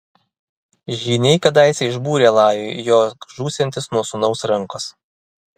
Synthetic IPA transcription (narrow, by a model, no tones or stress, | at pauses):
ʒʲiːnʲɛɪkɐd̪ɑˑɪsʲɛɪʒbuːɾʲeːlˠɑːjojoːʒuːsʲɛnʲt̪ʲɪsnuɔsʊnɒʊsɾɐŋˑkos